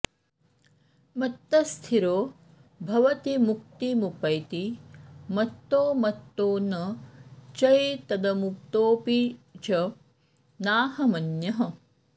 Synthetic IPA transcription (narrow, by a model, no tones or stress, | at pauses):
mɐt̪ːɐst̪ʰiɾoː | bʱɐʋɐt̪imuk̚t̪imupɐjt̪imɐt̪ːoːmɐt̪ːoːnɐ | t͡ʃɐjt̪ɐd̪ɐmuk̚t̪oːpit͡ʃɐ | naːɦɐmɐnjɐɦɐ